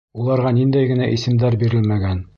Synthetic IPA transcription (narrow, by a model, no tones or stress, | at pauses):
ulˠɑɾʁɑnind̪æjɡɘ̆næʔisɘ̆md̪æɾbiɾɘlmæɡæn